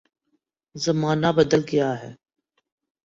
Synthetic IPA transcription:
zəmaːnaːbəd̪əlɡɪjaːɦɛ̰ː

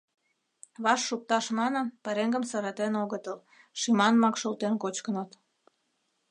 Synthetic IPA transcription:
βɑʃːuk̚t̪ɑʃmɑnənpɑɾeŋɡə̆msɑɾɑt̪enoɣət̪əl | ʃimɑnmɑkʃulˠt̪enkot͡ɕkənət̪

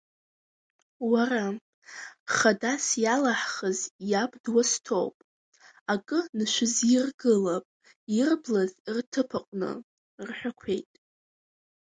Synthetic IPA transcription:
wara | χadasjalaħχəzjabdwastʰo̰wpʼ | akʼɨnɨʃʷɪzirɡɨlapʼ | irblazirtʰɨpʰaqʷʼnɨ̰ | rħʷᶣakʷʰe̞jtʼ

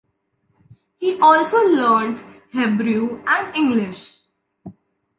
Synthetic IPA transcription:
hiːʔɔːlsoːləːɾɳʈ | hebɾuːæ̃ɳɖɪ̃ŋɡlɪʃ

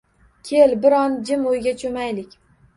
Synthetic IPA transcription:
kʲʰelbɪɾɒnd͡ʒɪmojɡʲat͡ʃʰomajlɪkʲ

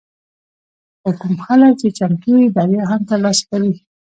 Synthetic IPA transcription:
xokumxalək̚t͡ʃet͡ʃamt̪uɪd̪ɑɾeɦamt̪alɑskaɾi

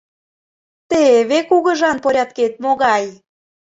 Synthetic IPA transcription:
t̪eβekuɣə̆ʒɑnpoɾʲɑt̪ket̪̚moɣɑj

